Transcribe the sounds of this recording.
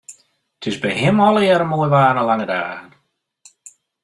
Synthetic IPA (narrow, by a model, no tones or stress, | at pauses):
tʰɪzbɛjɦɪmɔlˠəjɛɾəmojʋaːnəlaŋəda̰ːɣən